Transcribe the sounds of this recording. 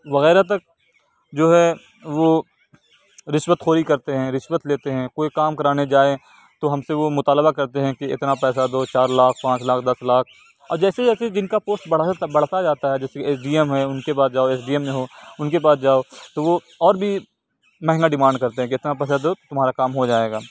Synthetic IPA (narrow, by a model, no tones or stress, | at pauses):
ʋɐɣɛːɾat̪ɐk̚ | d͡ʒoːɦɛ | ʋo | ɾɪʃwət̪xoːɾikɐɾt̪eɦɛ̃ɾɪʃwət̪leːt̪eɦɛ̃koːikaːmkɐɾaːned͡ʒaːe | t̪oɦɐmseʋomʊt̪aːləbakɐɾt̪eɦɛ̃keɪ̰t̪napɛːsad̪oːt͡ʃaːɾlaːk̚ʰpãːt͡ʃlaːk̚ʰd̪ɐslaːk̚ʰ | ɔːɾd͡ʒɛːsed͡ʒɛːsed͡ʒɪnkapoːsʈbɐɽ̤aabɐɽ̤t̪ad͡ʒaːt̪aɦɛd͡ʒɛːsekieːsɖiːɛmɦɛʊnkepaːsd͡ʒaːoeːs̬ɖiːəmːẽɦoːʊnkepaːsd͡ʒaːoːt̪oʋo | ɔːɾbʱi | mɛɦɛ̃ŋɡaɖɪmãːɳɖkɐɾt̪eɦɛ̃keɪt̪napɛːsad̪oːt̪ʊmɦaːɾakaːmɦod͡ʒaːeːɡaː